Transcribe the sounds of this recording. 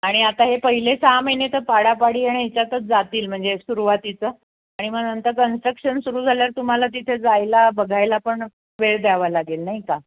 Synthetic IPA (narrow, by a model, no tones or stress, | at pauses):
aɽ̃iat̪aɦepəɦilesaməjnet̪əɾpaɽapaɽiːaɽiɦet͡ɕjat̪ət͡sd͡zat̪iːlm̤əɳd͡zeksuɾuʋat̪it͡səː | aɽ̃iməɡnənt̪əkənsʈɾəkʂənsuɾuːd͡zʱaljaɾt̪um̤alat̪̬it̪ʰed͡zajlabəɡʱajlapəɳ | ʋeɭd̪aʋalaɡelnaɦika